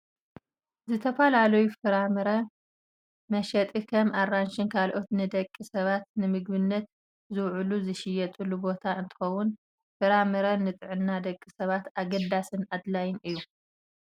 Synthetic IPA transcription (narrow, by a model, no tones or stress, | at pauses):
zɨt̪ʰɐfɐlalɐjufɨɾamɨɾɐ | mɐʃɐt̪ʼikʰɐmaranʃɨnkʰalʔo̞t̪nɨd̪ɐkʼːisɐβat̪̚nɨmɨɡbɨnːɐt̪̚ | zɨwʕuluzɨʃɪjɛt̪ʼɨlːubo̞t̪ʰaɨnt̪ʰɨ̥xɐwʊn | fɨɾamɨɾɐnɨt̪ʼɨʕɨnːad̪ɐkʼːisɐβat̪aɡɐd̪asɨnad̪lajɪnʔɨjːu